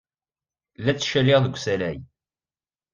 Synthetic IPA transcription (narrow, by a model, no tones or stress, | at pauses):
læt͡sːʃælːɪʁðəɡʷsælæj